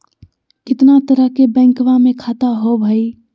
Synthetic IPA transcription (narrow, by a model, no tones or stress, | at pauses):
kɪt̪nat̪əɾəɦkebɛ̃ːŋkʋamẽkʰaːt̪aɦobʱaːi